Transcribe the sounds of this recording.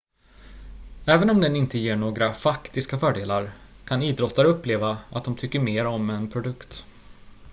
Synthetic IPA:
ɛːvənɔmd̪ɛnɪnt̪əjeːɳoːɡɾafakt̪ɪskafœːɖeːlaɾkʰaniːd̪ɾɔt̪ːaɾəɵpːleːvaa̰t̪̚d̪ɔmt̪ʰʏkːəɾmeːɾɔmɛnpʰɾʊd̪ɵkt̪

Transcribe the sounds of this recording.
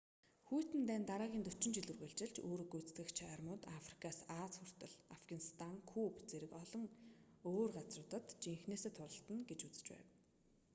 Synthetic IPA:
xujʰt̪ɘ̆nt̪æːnt̪aɾaːɣʲiːnt̪ɵt͡ɕɪ̆nt͡ɕiɮɵ̆rɣeːɮt͡ɕɪ̆ɮt͡ɕoːɾŏɡujt͡st̪ɘ̆kt͡ɕʰarmʊːt̪afri̥kʰasaːt͡sxʊr̥t̪ə̆ɮafɡanist̪ʰaŋkʰupt͡seɾɘ̆kɔɮɞ̆ŋoːrɢat͡srʊːt̪ə̆t̪t͡ɕiŋxneːseːt̪ʰʊɮə̆ɬt̪ə̆nɡet͡ɕut͡sɘ̥̆t͡ɕpæ̰ːw

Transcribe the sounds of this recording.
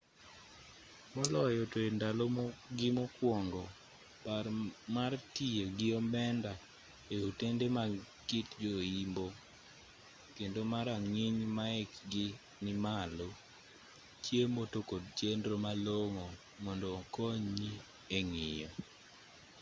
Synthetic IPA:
mɔlɔjɔtoendalomɡɪmɔkwɔŋɡɔ | parmartieɡɪɔmɛnda | eutendema | kɪtd͡ʒoimbo | kendomaɾaŋɪɲmaɪkɡɪ | nɪmalo | t͡ʃjemotokod̚t͡ʃendɾomaloŋo | mɔndoːkoɲi | eŋɪjɔ

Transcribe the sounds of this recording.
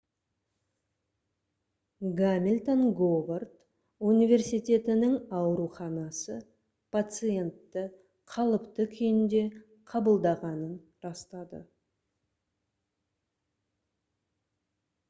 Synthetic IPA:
ɡamʲilʲt̪onɡovart̪ | unijvʲe̞ɾsijt̪e̞t̪ɪnɪŋɑwɾuχɑnɑsə | pʰat̪sɨje̞nt̪ːə | qʰɑlˠəpt̪əkʲʰʏjɪnd̪e̞ | qʰɑbəlˠd̪ɑʁɑnən | ɾɑst̪ɑd̪ə̰

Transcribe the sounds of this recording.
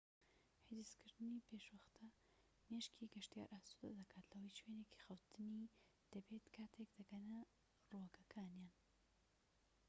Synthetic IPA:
hid̪ɨskɨɾd̪ɨnipʰeʃwɐxt̪ʰɐ | meʃkʰiɡɐʃt̪ja̰ːɾʔaːsud̪ɐ̰d̪ɐkʰaːt̪lɐwɐjt͡ʃweneki̥xɐwt̪ʰɨni | d̪̥ɐbeːt̪kʰaːt̪ʰekd̪ɐɡɐnɐ | rokɐkʰaːnjaːn

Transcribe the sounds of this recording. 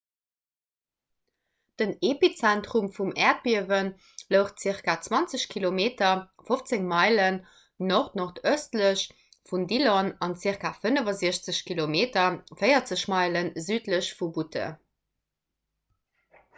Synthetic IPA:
d̥ənepit͡sæntʁumfumɛːɐt̚biəvən | ləʊχt̚t͡siəʁkaːt͡swɑnt͡səɕkʰilomeːtɐ | foft͡seŋmɑɪlən | noχtnoχtœstləɕ | fundilonɑnt͡siəʁkafənəvɐziəɕt͡səɕkʰilomeːtɐfɜɪɐt͡səɕmɑɪlənzyːtləɕfubutʰə̰

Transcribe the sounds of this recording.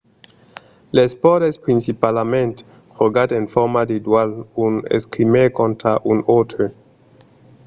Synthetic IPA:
lespodespɾinsipalamẽnt̪e | χoɡat̪enfoɾmad̪id̪walunḛskɾimeɾkont̪ɾaʔunot̪ɾe

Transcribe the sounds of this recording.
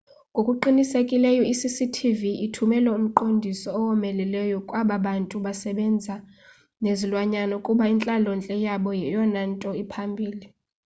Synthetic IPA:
ŋɡʼʱokʼuǃinisekʼilɛjɔisisitʰiviitʰumɛlɛum̩ǃondʱisɔːwɔmɛlɛlɛjɔkʼwaɓaɓantʼuɓasɛɓɛnd͡zʱa | nezilwaɲanɔkʼuɓaint͡ɬʼalɔnt͡ɬʼɛjaɓɔjɛjɔnantʼɔipʰambʱiːli

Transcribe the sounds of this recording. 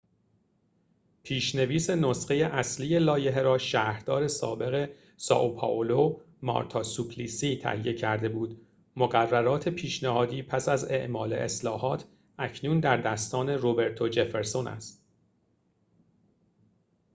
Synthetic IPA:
pʰiːʃne̞viːse̞nosɢe̞je̞ʔæsliːje̞lɒːje̞ɦeɾɒːʃæːhɾd̪̥ɒːɾe̞sɒ̰ːbe̞ɣe̞ | sɒ̰ʔopʰɒ̰ʔolo | mɒ̰ɾt̪ʰɒsupʰlisiːt̪ʰæ̰hije̞cʰæɾd̪e̞buːd̪ | moɣærːæɾɒːt̪ʰe̞pʰiːʃnæhɒːd̪iːpʰæsæze̞̰ʔmɒːle̞̰ʔeslɒːhɒːt̪ʰ | ʔæcʰnuːnd̪æɾd̪æst̪ɒːne̞ɾobe̞ɾt̪ʰo̞d͡ʒefeɾso̞nʔæ̰st̪

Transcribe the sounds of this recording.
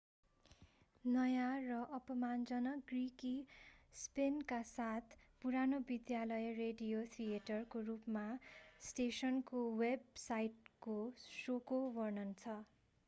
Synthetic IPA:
nʌjarʌʔʌpʌmand͡zʌnʌɡrikispenkasat̪ʰpuɾanobid̪jalʌjreɖijot̪ʰijeʈʌrkorupmasʈesʌnkoweb̚sajʈkosokowʌrnʌnt͡sʰʌ

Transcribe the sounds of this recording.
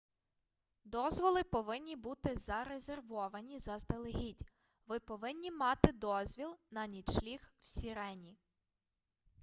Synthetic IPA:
d̪ɔzʋɔlˠɪpɔʋɪnʲːibut̪ɪzɐɾezʲerʋɔʋɐnʲizɐzd̪elˠeɦʲidʲ | ʋɪpɔʋɪnʲːimɑt̪ɪd̪ɔzʲʋʲilˠnɐnʲid̪ʃlʲixw̥sʲiɾɛnʲi

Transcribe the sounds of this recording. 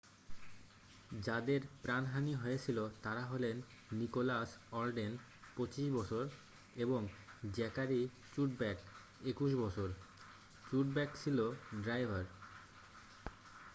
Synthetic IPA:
d͡ʑad̪eɾpɾanɦaniɦɔet͡ɕʰilot̪aɾaɦolenː | ikolasɔɾɖen | pot͡ɕiʃbɔt͡ɕʰoɾ | eboŋd͡ʑɛkaɾi | t͡ɕuʈ̚bɛk | ekuʃ̬bɔt͡ɕʰoɾ | t͡ɕuʈbɛkt͡ɕʰiloɖɾajbʱaɾ

